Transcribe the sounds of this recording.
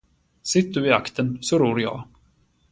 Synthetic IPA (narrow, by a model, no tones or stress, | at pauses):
sɪt̪̚ːd̪ɵɪakt̪ʰənsɔɾuːɾjɑ̰ː